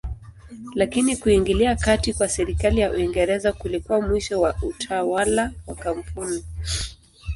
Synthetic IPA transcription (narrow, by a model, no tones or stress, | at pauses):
lakinikuiŋɡiliakatikwasɛɾikalijaʔuiŋɡɛɾɛzakulikuwamwiʃɔwautʰawalawakam̩puni